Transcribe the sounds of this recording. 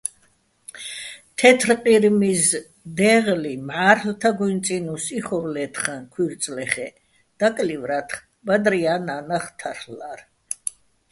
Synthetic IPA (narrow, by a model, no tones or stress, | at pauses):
t̪ʰɛt̪ʰrqʼiɾmis | d̪ɛʁlimʕaːɾlt̪ʰaɡunsʼinusiχɔɾlɛːt̪ʰχankʰwiɾt̪sʼlɛχɛ | d̪̥akʼlivɾat̪ʰχ | bad̪ɾiananaχt̪ʰaɾlaɾ